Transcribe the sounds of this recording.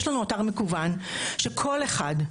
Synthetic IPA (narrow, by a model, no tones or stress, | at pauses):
ʃlanuotaʁmekuvanʃekʰo̞leχa̰d